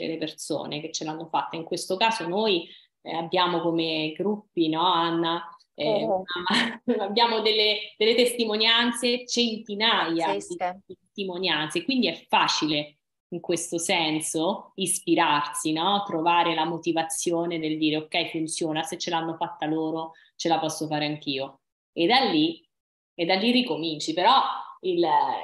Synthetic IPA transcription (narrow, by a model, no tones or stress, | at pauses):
ḛleperso̰ːnek̟et͡ʃːelanːofat̪ːaiŋkwest̪okaːzonoj | abːjaːmokomeɡɾupːinɔanːa | ɛmamːaabːjaːmod̪elːed̪̥elːet̪est̪imonjant̪set͡ʃent̪inajad̪id̪it̪est̪imonjant̪sekwind̪iɛfːaːt͡ʃile | iŋkwest̪osɛnsoispiɾarsinɔt̪ːɾovaːɾelamot̪ivat̪sːjoːned̪eld̪iːɾeokːɛjfunt̪sjoːnaset͡ʃːelanːofat̪ːaloːɾo | t͡ʃelapɔsːofaːɾeaŋk̟iːo | ed̪alːi | ed̪ːalːirikomint͡ʃipeɾɔil